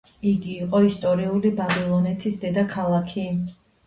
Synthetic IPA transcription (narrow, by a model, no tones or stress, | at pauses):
iɡiːqʼɔist̪ʼɔɾiulibabilˠɔnɛt̪ʰisd̪ɛd̪akʰalˠakʰi